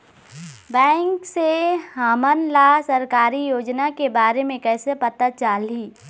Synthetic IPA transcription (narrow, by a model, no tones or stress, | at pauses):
bɛ̃ːŋkseɦaːmənlasɐɾkaːɾijoːd͡ʒnakebaːɾemẽkɛːsepɐt̪ət̪t͡ʃaːliː